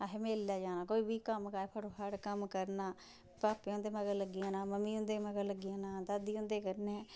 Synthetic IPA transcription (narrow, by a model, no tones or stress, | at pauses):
aɦeːmeːlːaːd͡ʒaːnaːkoːiːbiːkəmkaːeːpʰəɽoːkʰaːɽkəmkəɾnaː | paːpeːʊ̃nd̪eːməɡələɡɪjãːnaːməmiːʊ̃nd̪eːməɡəlləɡɪjãːnãːd̪aːd̪iːʊ̃nd̪eːkəɾneː